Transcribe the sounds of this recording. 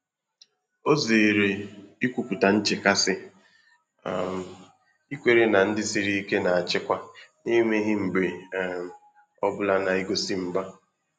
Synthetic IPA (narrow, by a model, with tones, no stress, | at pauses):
o˦ze˨ɾe˨i˦kʷu˦pu˨ta˨n̩˦t͡ʃɪ˨ka˦sɪ˦ | a̰˨m˨ | i˦kʷe˨ɾe˦na˨n̩˦dɪ˦si˨ɾi˦i˦ke˦na˨a˨t͡ʃɪ˦kʷa˦ne˦me˦ɦɪ˦m̩˨ɡ͡be˨m˨ | ɔ˦bʊ˦la˦na˨i˦ɡo˦si˦m̩˦ba˦